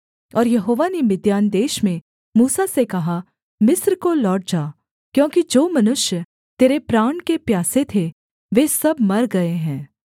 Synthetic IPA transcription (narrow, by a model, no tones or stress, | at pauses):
ɔːɾjɐɦoːʋanemɪd̪jaːnd̪eːʃmẽ | muːsasekɐɦa | mɪsɾkolɔːʈ̚d͡ʒaː | kjõːkid͡ʒoːmɐnʊʃjə | t̪eːɾepɾaːɳkepjaːset̪ʰe | ʋeːsɐbmɐɾɡɐeɦɛ̃ː